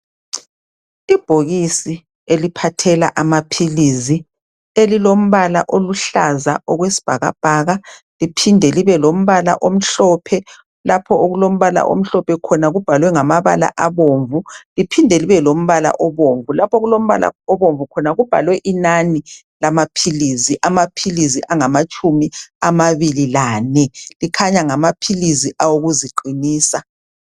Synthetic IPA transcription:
ib̥ʱoɣisi | elipʰatʰɛla̰ʔamapʰilizi | elilom̩βala̰ʔoluɬazaʔɔɣwesi̥b̥ʱaɣa̰b̥ʱaɣa | lipʰindʱɛliβɛlom̩βala̰ʔom̩ɬɔpʰɛ | lapʰɔʔoɣulom̩βala̰ʔo̰m̩ɬɔpʰɛkʰɔnaɣub̥ʱalwɛŋamaβa̰la̰ʔaβoːɱvulipʰindʱɛliβɛlom̩βala̰ʔɔβoɱvulapʰɔɣulom̩βa̰la̰ɔβoɱvukʰɔnaɣub̥ʱa̰lwɛʔinani | lamapʰiliziʔamapʰiliziʔaŋamat͡ʃʼumiamaβililaːnɛlikʰaɲaŋamapʰiliziʔawoɣuziǃiniːsa

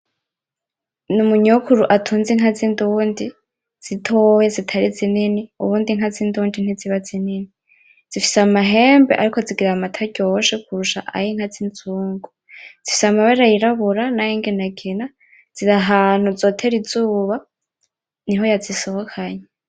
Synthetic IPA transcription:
numuɲuukʰuɾuʔatʰuːnziŋazinduβndi | z̥itʰojezitʰaɾizininiṵβuːndiŋ̥azinduːndin̥iziβazinini | z̥ifi̥samaɦeːmbeʔa̰ɾiko̞ziɡiɾamatʰaɟoʃekʰuɾuʃa̰ʔa̰jiŋ̥hazinzuːŋɡu | z̥ifisamaβaɾajiɾaβuɾanajiːŋɡenaɡina | z̥iɾaɦaːn̥huzo̞ːtʰe̞ɾizuːβa | niɦo̞jaziso̞hokʰaɲe

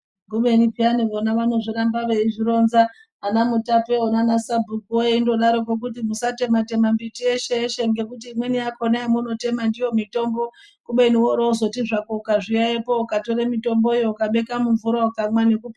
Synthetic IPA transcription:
ɡuɓenipianiʋonaʋano̞ʐiɾambaʋeiʐiɾo̞nzaː | namutape̞onanasabʱukuwojeindo̞ɗaɾokok̬utimusate̞mate̞mambitieʃeeʃe̞ŋɡe̞kut̬iːmwe̞nijakonaimuno̞te̞mandijo̞mito̞mbo̞ | kuɓeniwoɾouzo̞tiʐakoukaʐijaepo̞ukatoɾemito̞mbo̞joukaɓe̞kamuɱvuɾakamwane̞kup

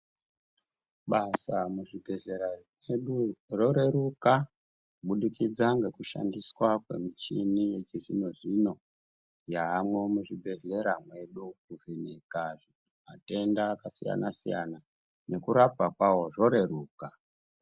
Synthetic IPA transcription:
ɓasamuʐibʱe̞ɮe̞ɾameɗuro̞ɾe̞ɾuka | ɓuɗikid͡zaŋɡe̞kuʃa̰ndiswakwe̞̰mit͡ʃinijet͡ʃiʐino̞ʐino̞ | jaːmwe̞muʐibʱe̞ɮe̞ɾamwe̞ɗukuvenekaʐi | ate̞ndaːkasija̰nasija̰na | ne̞kuɾapakwawo̞ʐo̞ɾe̞ɾuːka

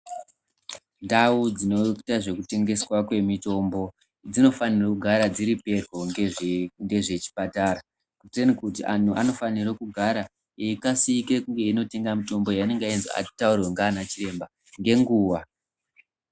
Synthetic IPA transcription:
ndaud͡zino̞taʐe̞kute̞ŋɡe̞swakwe̞mito̞mbo̞ | d͡zino̞fanirokuɡʱaɾad͡ziɾipe̞ro̞ŋeŋɡe̞ʐe̞t͡ʃi̥pataɾa | kutenikutiʔanuano̞fanirokuɡʱaɾa | eikasikekuŋɡe̞ino̞te̞ŋɡamito̞mbo̞jane̞ŋɡainza̰a̰̥taurweŋɡaːnat͡ʃiɾe̞mba | ŋɡe̞ŋɡuːwa

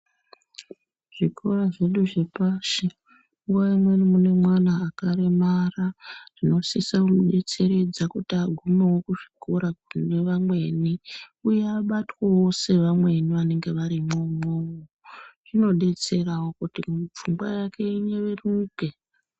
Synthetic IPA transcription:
ʐ̥ikʰo̞ɾaʐe̞ɗuʐepaʃe | ŋɡuʋaimwe̞nimune̞mwanaːkaɾemarar̥ino̞sisaunuɗe̞t͡se̞ɾe̞d͡zakutiaɡʱumewokuʐikʰo̞ɾane̞ʋamwe̞niujeaɓatwawo̞se̞ʋamwe̞niʋane̞ŋɡe̞ʋaɾimomowoʐ̥ino̞ɗe̞t͡se̞rawo̞kutip͡fuŋɡwa̰jake̞ine̞ʋeruke̞

